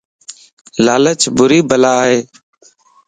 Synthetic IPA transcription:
laːlət͡ʃbʊɾiːbəlaːɦeː

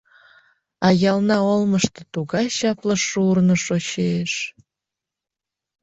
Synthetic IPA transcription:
ɑjɑlnɑolˠməʃt̪ɤ̆t̪uɣɑɕɑplɑʃurnŏʃoɕeʃ

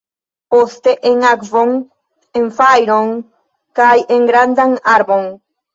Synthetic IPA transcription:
post̪eʔeŋakvoŋ | eɱfajɾoŋ | kajeŋɡɾand̪aŋaɾboŋ

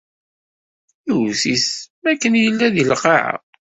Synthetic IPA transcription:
iwsiθmækːənjəlːæðilqɑʕa̰

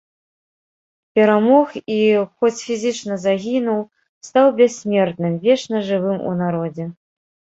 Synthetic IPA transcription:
pʲɛɾamɔxixɔt͡sʲfʲizʲɨt͡ʂnɐzaɣʲinuw | st̪awbʲɛsʲsʲmʲɛrt̪nɨmvʲɛʂnɐʐɨvɨmṵnaɾɔd͡zʲɛ

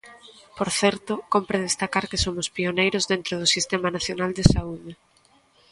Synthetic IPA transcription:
poɾθɛɾt̪ʊkompɾeðest̪akaɾkɪsomʊspionejɾʊzðent̪ɾʊð̞ʊsist̪ɛmanaθjonald̪esauðɪ

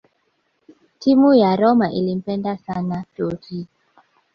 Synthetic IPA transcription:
timujaɾɔmaʔilim̩pɛndasanatoɾi

